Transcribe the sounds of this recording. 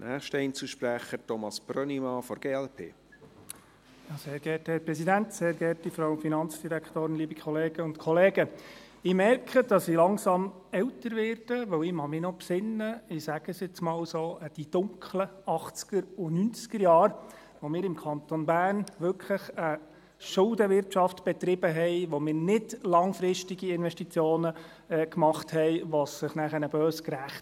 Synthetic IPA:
nʔæːχʃtəɛɪnt͡suʃpɾæχəɾtɔmɑsb̥rœnimɑfɔɾɡ̥eːɛlpʰḛː | jɑːseːɾɡɛthɛɾpɾɛsidæntseːɾɡɛːtifɾɑwfinɑnt͡sd̥iɾækχtoːɾɪnliːbikʰχɔleːɡ̥əʊntkʰɔleːɡ̥ə | ɪmɛrkʰχəd̥ɑsilɑŋsɑm | ɛwtəɾʋɛːrd̥əʋœwɪmɑmɪnɔpsɪnːəɪsæɡ̥əsjɛt͡smɑːlsoːəd̥id̥ʊŋkʰχləɑχt͡skəɾʊnynt͡skəɾjɑːɾ | ʋomɪːɾɪmkʰɑnt̪onbæːnʋʏkʰləχə | ʃʊldəʋɪrtʃɑftb̥ɛt̪ɾɪb̥əɦɛɪʋomɪːɾnɪdlɑŋfɾɪʃtiɡiɪnʋɛʃtit͡sjoːnə | kmɑχthɛɪʋɑsːɪχnæχəɾnəb̥øːskɾæχt

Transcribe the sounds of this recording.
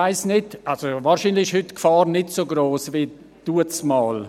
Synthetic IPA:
aɪsnɪtʔalsovaːɾʃinlɪxɪʃhʏtkfaːrnɪtsoɡɾoːsvi | d̥uət͡smaːl

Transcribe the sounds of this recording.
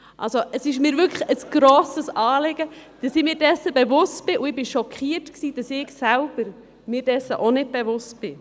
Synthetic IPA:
ʔɑ̰lsoəsɪʃmiːɾʋʏkləəsɡ̥ɾɔːsəsɑːlɪɡ̥əd̥ɑsɪmiːɾdɛsːəbɛvʊstb̥ɪʔuɪbɪʃɔkʰχiːətksiːd̥ɑsɪɡsælb̥əɾ | mɪːɾd̥ɛsəʔonɪd̚b̥ɛvʊst̚b̥ɪ

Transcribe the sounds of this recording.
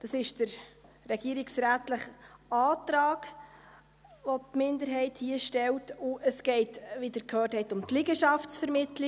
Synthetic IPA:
d̥ɑsɪʃd̥əɾ | ɾɛɡ̥iəɾiksɾæːtləχɑːtɾɑːɡ | ʋɔtmɪndəɾɦɛɪthiəʃtɛltʊʔəsɡ̥ɛɪtʋidəɾkʰøːrthɛɪtʊmtlɪɡəʃɑftsfəɾmɪtli

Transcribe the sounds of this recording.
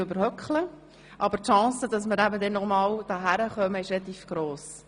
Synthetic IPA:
ʏbəɾhœkχlə | ʔɑbəɾtʃɑ̃ːsəd̥ɑsməɾæbədɛnɔmɑːld̥ɑːɦæɾəχœməɪʃɾɛlɑt̪iːfɡ̥ɾoːs

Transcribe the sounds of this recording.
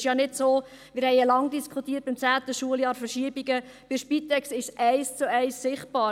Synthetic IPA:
ʃjɑnɪdsoː | mɪɾhɛɪəlɑŋdiskʰχut̪iːt̚b̥ɪmt͡sæːt̪əʃuəljɑːɾfəɾʃiəbiɡə | b̥ɪʃpitɛksɪʃsʔɛɪst͡suɛɪsːɪχt̚b̥ɑː

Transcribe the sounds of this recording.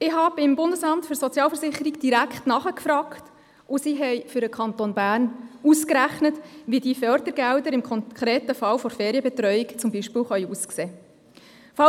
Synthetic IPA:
ɪhɑːbɪmbʊndəsɑmtfʏɾsɔt͡sjɑːlfəɾsɪχəɾiɡd̥iɾækχtnɑχəkfɾɑːkt | ʔʊsiɦɛjfʏɾəkʰɑntoːnbæːrnuskɾæχnətʋidifœɾd̥̪əɾɡældəɾɪmkʰɔnkχɾeːtəfɑlfɔɾfeːɾiəbɛt̪ɾœʏikt͡sʊmbiʃpɪːlχœʏuskseː | fɑ

